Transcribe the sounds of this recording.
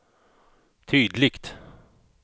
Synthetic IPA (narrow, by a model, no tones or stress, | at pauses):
t̪ʰyːd̪lɪkt̪